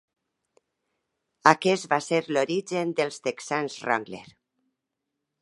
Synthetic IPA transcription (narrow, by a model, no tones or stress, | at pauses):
akest̪baseɾloɾiʒend̪elst̪eksanzra̰ŋɡlḛɾ